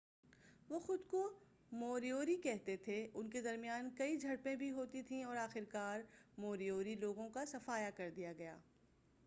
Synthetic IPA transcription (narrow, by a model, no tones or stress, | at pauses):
ʋoːxʊd̪ko | moːɾijoːɾikɛɦt̪et̪ʰeʊnked̪ɐɾmijaːnkɐid͡ʒʱɐɽpẽbʱiɦoːt̪it̪ʰĩɔːɾaːxɪɾkaːɾmoːɾijoːɾiloːɡõkasɐfaːjakɐɾd̪ijaɡɐja̰ː